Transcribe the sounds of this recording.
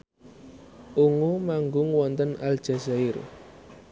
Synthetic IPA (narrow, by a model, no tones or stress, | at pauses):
ʔuŋomaŋɡʊŋwɔnt̪ənald̥ʒ̥a̤zaɪr